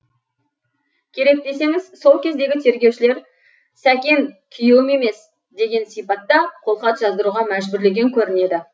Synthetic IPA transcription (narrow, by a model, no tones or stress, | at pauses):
kʲʰe̞ɾe̞k̚d̪e̞se̞ŋɪzso̞lˠkʲʰe̞zd̪e̞ɡʲɪt̪ʰe̞ɾɡʲe̞wʃɪle̞ɾ | sækʲe̞ŋkʲʰʏjewɪme̞me̞s | d̪e̞ɡʲe̞nsijpɑt̪ːɑqʰo̞lˠqɑt̪ʒɑzd̪əɾuʁɑmæʒbʏɾle̞ɡʲe̞ŋkʲʰɵɾɪne̞d̪ɪ